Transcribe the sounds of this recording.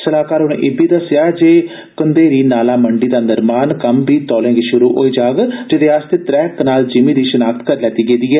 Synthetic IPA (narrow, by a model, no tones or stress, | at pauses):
səlaːkaːɾʊnḛ̃ʔeːbiːd̪əsːjaːd͡ʒeː | kənd̪eːɾiːnaːlaːməɳɖiːd̪aːnəɾmaːnkəmbiːt̪ɔːlẽːɡiːʃʊɾuːʔo̰ːiːd͡ʒaːɡd͡ʒed̪eːaːst̪eːt̪ɾɛːknaːld͡ʒɪmĩːd̪iːʃʊnaːk̚t̪kəɾlɛːt̪iːɡeːd̪iːɛː